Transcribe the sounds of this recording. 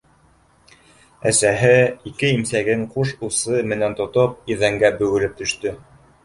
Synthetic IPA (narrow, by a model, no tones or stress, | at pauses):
æ̰sæɦɘikɘimsæɡɘɴquʃusɤmɘ̆nænt̪ŏt̪op̚iðæŋɡæbɵ̆ɡɘ̆lɘp̚t̪ɵ̆ʃt̪ɵ